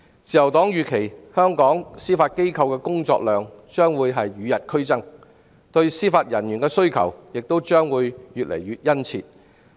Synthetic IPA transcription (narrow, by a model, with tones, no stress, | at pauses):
t͡siː˨jɐ˨˩wt̪ɔː˨˥ŋjyː˨kʰe˨˩jhœː˥ŋkɔː˨˥ŋsiː˥faː˧t̚ke˥jkʰɐ˧wkɛː˧kʊ˥ŋt͡ʃɔ̰ː˧k̚lœː˨ŋt͡ʃœː˥ŋwuː˨˧jɦɐ˨jːyː˨˧jɐ˨t̚kʰɵ˥ɥt͡sɐ˥ŋ | t̪ɵ˧ɥsiː˥faː˧t̚jɐ˨˩nɥyː˨˩nkɛː˧sɵ˥ɥkʰɐ̰˨˩wjɪ˨k̚t̪o˥wt͡ʃœː˥ŋwuː˨˧jjyː˨t̚lḛ˨˩jɥyː˨t̚jɐ˥nt͡sʰḭː˧t̚